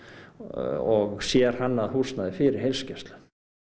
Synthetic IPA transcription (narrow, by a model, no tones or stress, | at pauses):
ɔɣsjɛɾ̥hanːaðhusnaðɪfɪɾɪɾ̥ɦejlscɛst̪lʏ̥